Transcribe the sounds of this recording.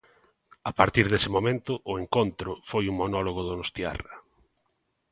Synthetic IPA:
apaɾt̪iɾð̞esɪmomẽnt̪ʊʔʊeŋkont̪ɾʊfojuŋmonɔloɣoðonost̪ja̰ra

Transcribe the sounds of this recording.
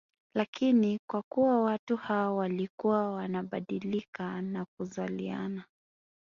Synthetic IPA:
lakʰinikwakuwawatuhaɔwalikuwawanaɓaɗilikanak̚uzalḭa̰na

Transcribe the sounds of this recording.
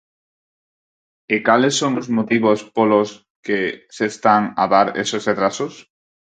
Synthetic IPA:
ekalesːoŋozmot̪iβospolos | kesest̪aŋaðaɾḛsosret̪ɾasʊs

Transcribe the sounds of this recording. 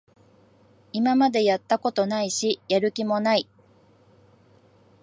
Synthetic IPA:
imamad̪e̞jat̪ːako̞t̪o̞naiɕijaɾɯ̟kʲimo̞nai

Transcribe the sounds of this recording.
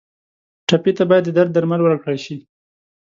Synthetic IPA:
ʈapet̪abɑjad̪ːəd̪aɾd̪̚dːaɾmalwəɾakɽaʃi

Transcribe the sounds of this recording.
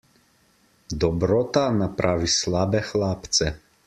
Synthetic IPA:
d̪ɔbɾɔt̪anapɾʔavislˠabɛxlˠapt̪sɛ

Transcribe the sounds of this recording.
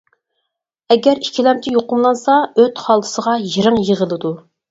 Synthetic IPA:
ɛɡʲɛɾikʲʰːilɛmt͡ʃ̪ʲʰɪjoqʊmlˠɑnsɑøt̪χɑlˠd̪ʰɨ̥səʁɑjiɾɨŋjəʁəlˠɨd̪u

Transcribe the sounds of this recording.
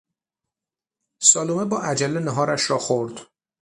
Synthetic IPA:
sɒːlumebɒːʔæd͡ʒælːeneɦɒːɾæʃɾɒːxoɾd̪̥

